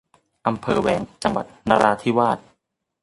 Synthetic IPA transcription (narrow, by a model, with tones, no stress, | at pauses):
ʔa˧mpʰɤː˧wɛː˧ŋt͡ɕa˧ŋwa˨˩t̪̚naː˧ɾʔaː˧t̪ʰi˦˥˩waː˥˩t̪̚